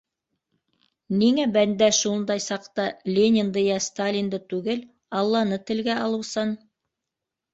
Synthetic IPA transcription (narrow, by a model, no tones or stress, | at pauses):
niŋæbænd̪æʃund̪ɑjsɑqt̪ɑlʲenʲɪnd̪ɤjɑst̪alʲind̪ɤt̪ʉɡɘl | ɑlˠːɑnɤt̪ɘ̆lɡæɑlˠɤ̆wsɤn